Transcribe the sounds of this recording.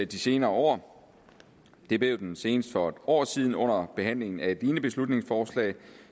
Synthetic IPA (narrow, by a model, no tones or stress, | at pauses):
æd̥ise̝ːnɐːɒ̰ː | d̥e̝b̥le̝ʊd̥ense̝ːnəsd̥fɒ̥̽ɒ̰ːsiːð̞ˠn̩ɔ̽n̰ɐb̥e̝ɦæn̰le̝ŋn̩æd̥iːnəb̥e̝slud̥ne̝ŋsfɒːslɛ̰ːɪ